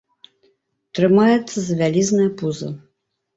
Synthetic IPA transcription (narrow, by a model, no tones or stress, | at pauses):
t̪ɾɨmajɛt̪sːɐzɐvʲalʲiznɐjɐpuzɐ̰